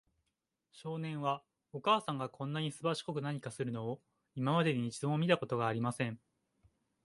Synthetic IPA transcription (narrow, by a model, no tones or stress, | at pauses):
ɕo̞ːnẽ̞ɰ̃βa | o̞kaːsãŋɡakʰõ̞nːaɲ̟isɨbaɕi̥ko̞kɯ̟naɲ̟ikasɨɾɯ̟no̞o | imamad̪e̞ɲeɲit͡ɕizõmʲit̪ako̞t̪o̞ɡaːɾʲimasẽ̞ɴ